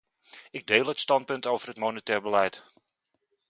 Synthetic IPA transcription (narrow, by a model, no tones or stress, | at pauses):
ɪɡ̚deːlˠətstɑnt̚pɵntowvərətmonətɛːrbəlɛjt